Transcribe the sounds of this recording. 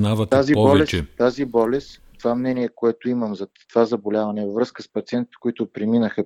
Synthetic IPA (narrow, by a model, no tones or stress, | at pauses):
navɐt̪azibɔlɛst͡ʃɛt̪azibɔlɛs | t̪ovamnɛniɛkoɛt̪oiməmzɐt̪ovazɐbolʲavɐnɛvəvɾɤskəspɐt̪siɛnt̪it̪ɛ̥koit̪ʊpɾɛminəxə